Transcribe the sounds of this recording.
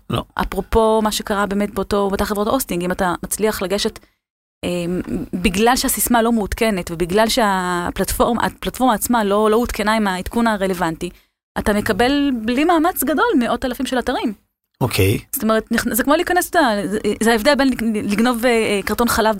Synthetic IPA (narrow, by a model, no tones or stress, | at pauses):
lo̰ʔa̰pʁo̞po̞maʃe̞kaʁabe̞ːmet̚beoto̞bat̪aχevʁotaʔostiŋɡimatamat͡sliaχlaɡe̞ʃe̞t | ʔembiɡlalʃehasismalo̞meutke̞ne̞tvebiɡlalʃeaplatfoʁma̰a̰platfo̞ʁmaːt͡smalo̞lo̞utke̞naimaitkunaʁele̞vanti | ʔatame̞kabe̞lblimaːmat͡sɡado̞lmeʔo̞talafimʃelataʁim | okʰejsot̪ome̞ʁetniχnzekmoliːkanestazehaevd̪elbenliɡno̞vekaʁto̞nχalav